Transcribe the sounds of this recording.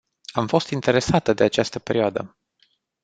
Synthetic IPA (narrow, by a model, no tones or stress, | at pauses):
amfo̞st̪int̪e̞ɾe̞sat̪əd̪e̞at͡ʃast̪əpe̞ɾioad̪ə̰